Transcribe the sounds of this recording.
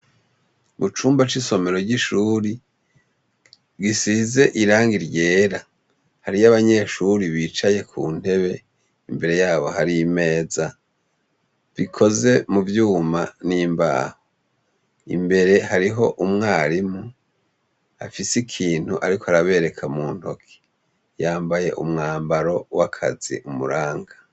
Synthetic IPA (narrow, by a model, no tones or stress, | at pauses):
βut͡ʃuːmbat͡ʃiso̞me̞ɾo̞ɟiʃuːɾi | ɡisize̞ʔiɾaːŋɡiɾjɟe̞ːɾa | haɾijaβaɲe̞ːʃuɾiβiːt͡ʃaje̞kʰuːn̥he̞βe̞ | imbe̞ɾe̞jaːβo̞haɾime̞ːza | vikʰo̞ze̞muvjuːmaniːmba̰ːho | ḭmbe̞ɾe̞haɾiɦo̞ʔumŋaːɾimu | afisikʰiːn̥huʔaɾikoaɾaβe̞ːɾe̞kʰamuːn̥ho̞kʰi̥ | jaːmbaje̞ʔṵmŋaːmbaɾo̞wakʰa̰zḭʔumuɾaːŋɡa